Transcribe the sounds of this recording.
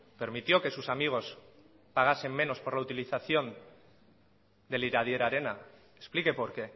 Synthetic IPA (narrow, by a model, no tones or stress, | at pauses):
pe̞ɾmit̪jo̞ke̞susamiɣ̞o̞s | paɣ̞asemːẽ̞no̞spo̞ɾlaut̪iliθaθjo̞n | d̪e̞liɾað̞je̞ɾaɾe̞na | esplike̞po̞ɾke̞